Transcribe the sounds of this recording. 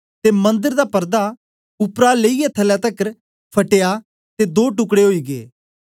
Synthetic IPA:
t̪emɐ̃nd̪əɾd̪aːpəɾd̪a | ʊpɾaleijɛt̪ʰəlɛt̪əkəɾ | pʰəʈeja | t̪ed̪oːʈ̬ʊkɽeɦoiːɡḛː

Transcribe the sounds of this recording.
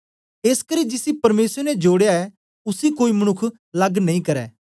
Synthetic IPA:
eːskɐɾiːd͡ʒɪsipɐɾmeːsɾɛnɛd͡ʒoːɽjaɛ | ʊsikoːimɐñʊkʰ | lɐɡnɐ̃ĩkɐɾɛ̰ː

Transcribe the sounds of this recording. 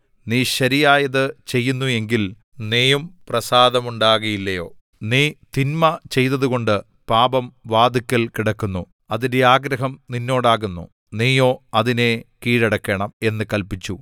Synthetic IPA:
niːɕɐɾijaːjɐðɨt͡ɕe̞jːunːue̞ŋɡil | neːjumprɐsaːd̪ɐmuɳɖaːɣɐjilːɐjo̞ː | niːt̪inmɐt͡ɕe̞jt̪ɐðuɣo̞ɳɖɨ | paːbɐmʋaːd̪ikʲːɐlkiɽɐkːunːu | ɐðinde̞aːɡɾɐɦɐmninːo̞ːɽaːɣunːṵ | niːjoːɐðine̞kiːɻɐɽɐkːeːɳɐme̞nːɨkɐlpit͡ɕːu

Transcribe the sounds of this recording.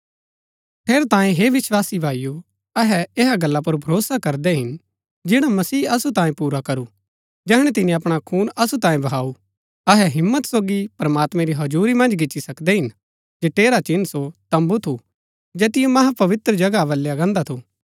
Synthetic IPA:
ʈʰeːɾt̪ãːẽɦeːʋɪswaːsibʱaːiju | ɐɦɛeɦaɡɐlːap̬ʊɾbʱɐɾoːsakɐɾd̪ɛɦɪn | d͡ʒɪɽ̃amɐsiːɐsut̪ãːẽpuːɾakɐɾu | d͡ʒɛːɽ̃ɛt̪ɪnĩɐpɽ̃akʰuːnʔɐsut̪ãːẽbɐɦaːu | ɐɦɛɦɪmːət̪soːɡipɾɐmaːt̪mɛ̃ɾiɦɐd͡ʒuːɾimɐ̃nd͡ʒɡɪʃisɐkd̪ɛɦɪn | d͡ʒeːʈeːɾat͡ʃɪnsot̪ɐ̃mbut̪ʰu | d͡ʒɛːt̪ɪjõmɐɦapɐʋɪt̪ɾəd͡ʒɐɡaʋɐlːeɐɡãːnd̪at̪ʰu

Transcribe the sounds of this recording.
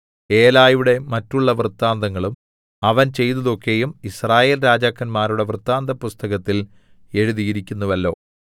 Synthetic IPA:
e̞ːlaːjuɽe̞mɐtːuɭːɐʋrt̪ːaːnd̪ɐŋːɐɭum | ɐʋɐnt͡ɕe̞jt̪ɐðo̞kːe̞jumisraːjeːlɾaːd͡ʑaːkːɐnmaːɾuɽe̞ʋrɨt̪ːaːnd̪ɐpːust̪ɐɣɐt̪ːil | e̞ɻuðijiɾikʲːunːɐʋɐlːo̞ː

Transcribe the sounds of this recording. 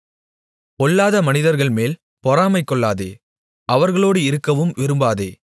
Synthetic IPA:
kɔɭːaːðɐmɐnɪðɐɾɣɐɭmeːl | pɔɾaːmɐɪkːɔɭːaːðḛː | ʔɐʋɐɾɣɐɭoːɽɯɪɾɯkːɐʋɯmʋɪɾɯmbaːðeː

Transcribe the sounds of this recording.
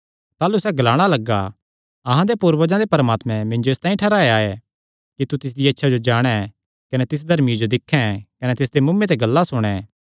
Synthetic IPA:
t̪aːlusɛɡɐlaːɽ̃alɐɡːa̰ | ɐɦãd̪epuɾbɐd͡ʒãd̪epɐɾmaːt̪mɛ̃mɪ̃nd͡ʒoeːst̪ãːĩʈʰɐɾaːeaːe | kit̪ut̪ɪs̬d̪iɐtːʃʰad͡ʒod͡ʒaːɽ̃ɛ̃ | kɐnɛt̪ɪs̬d̪ʱɐɾmid͡ʒod̪ɪkʰːɛ̃kɐnɛt̪ɪs̬d̪emʊmːẽt̪̬ɛɡɐlːasʊɽ̃ɛ

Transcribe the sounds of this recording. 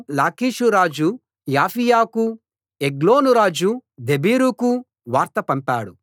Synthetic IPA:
laːkiːʃuɾaːd͡ʒu | jaːfʰijaːku | eɡloːnuɾaːd͡ʒud̪ebiːɾuku | ʋaːɾt̪ɐpɐmpaːɽu

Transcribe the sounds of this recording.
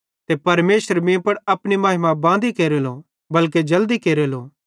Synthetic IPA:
t̪epɐɾmeːsəɾmĩpɐɽɐpɽ̃imaːɦɪmabãːnd̪ikeːɾelo | bɐlk̬ed͡ʒɐld̪ikeːɾeloː

